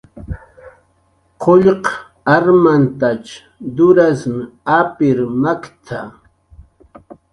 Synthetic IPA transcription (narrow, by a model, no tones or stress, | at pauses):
qʰoʎq | aɾmant̪at͡ʃ | d̪ʊɾasmɪapɪɾmakt̪ʰa